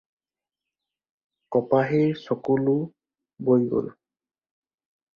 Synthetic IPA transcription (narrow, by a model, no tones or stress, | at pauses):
kɔpaɦiɹsɔkulu | bojɡo̰l